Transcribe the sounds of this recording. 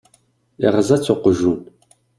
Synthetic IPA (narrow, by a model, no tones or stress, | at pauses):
ḭʁəzɐt͡sʷʰoqʷʊʒuːn